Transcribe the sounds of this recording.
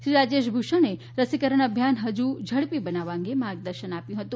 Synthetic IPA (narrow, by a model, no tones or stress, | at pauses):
ʃɾiɾad͡ʒeʃbʱuʃone | ɾəsikəɾəɳ̃əbʱjanɦəd͡ʒud͡ʒʱəɽpibənaʋãŋɡemaɾɡ̚d̪əɾʃənapjũɦət̪ũ